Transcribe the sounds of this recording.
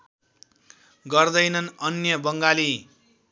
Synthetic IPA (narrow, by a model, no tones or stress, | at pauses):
ɡʌrd̪ʌjnʌnʌnjʌbʌŋɡali